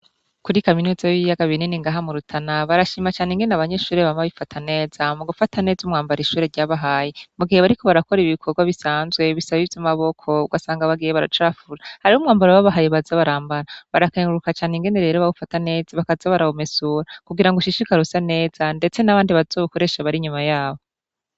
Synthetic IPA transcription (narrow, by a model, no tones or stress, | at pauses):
kuɾikaminuːzajiβijaɡaβininiŋɡaːɦamuɾutʰanaβaɾaʃiːmat͡ʃaːneŋɡe̞neaβaɲe̞ʃuːɾeβamaβifatʰane̞ːz̥amuɡufatane̞ːzumŋaːmbaɾiʃuːɾeɾɟaːβaɦaːjimuɡiheβaɾiko̞βaɾako̞ɾiβikʰo̞ɾɡwaβisaːnzɡwe̞βisaβiːvjomaβo̞kʰo̞uɡasaːŋɡaβaɡijeβaɾa̰t͡ʃoɾafuɾahaɾioumŋaːmbaɾawaβaɦajiβazaβaɾaːmbaɾaβaɾakeŋɡuɾukat͡ʃaːneŋɡe̞neɾe̞ːɾoβaɡufatane̞ːzaβakazaβaɾahome̞suːɾakuɡiɾaŋɡoʃiʃikaɾusane̞ːz̥ande̞t͡se̞naβaːndiβazoβuko̞ɾe̞ːʃaβaɾiɲumajaːβo